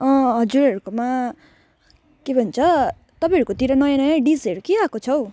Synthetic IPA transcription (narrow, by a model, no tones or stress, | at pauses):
ʌ̃ɦʌd͡zuɾɦʌɾukoma | kebʱʌnt͡sʰʌ | t̪ʌpãɦʌɾukot̪iɾʌnʌjãnʌjãɖiseɾukiakot͡sʰʌw